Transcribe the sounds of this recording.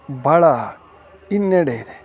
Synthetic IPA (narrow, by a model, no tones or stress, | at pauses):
bʱɐɭa | inːeɽeid̪e